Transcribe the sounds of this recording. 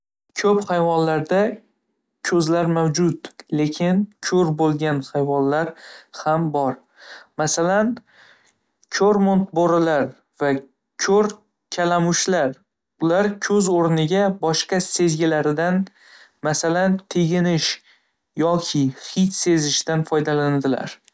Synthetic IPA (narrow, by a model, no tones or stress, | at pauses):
kʲʰɵpχajvɒnlaɾd̪a | kʲʰɵzlaɾmawd͡ʒʊt̪le̞kʲʰɪnkʲʰɵɾbolˠɡʲanhajvɒnlaɾhambɒɾ | masalan | kʰɵɾmont̪̚bɒɾɪlaɾ | va | kʲʰɵɾ | kʲʰalamʊʃlaɾ | ʊlaɾkʲʰɵzoɾnɪɡʲabɒʃqɑse̞zɡʲɪlaɾɪd̪an | masalant̪ʰeɡʲɪnɪʃ | jɒkʲʰɪχɪt͡ʃse̞zɪʃt̪anfɒjd̪aland̪ɪla̰ɾ